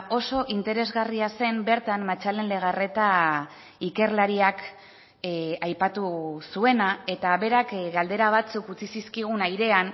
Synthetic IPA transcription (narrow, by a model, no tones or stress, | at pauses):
o̞so̞ʔint̪e̞ɾe̞zɣariase̞mbe̞ɾt̪ammat͡ʃale̞nle̞ɣ̞are̞t̪a | ike̞rlaɾiak | ajpat̪usue̞nae̞t̪aβe̞ɾakɡald̪e̞ɾaβ̞at͡sukut͡sisiskiɣ̞unajɾe̞an